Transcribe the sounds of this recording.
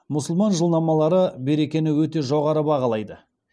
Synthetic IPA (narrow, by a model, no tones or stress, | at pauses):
mʊsəlˠmɑnʒəlˠd̪ɑmɑlˠɑɾəbe̞ɾe̞kʲe̞nɪwɵt̪e̞ʒo̞ʁɑɾəbɑʁɑlˠɑjd̪ə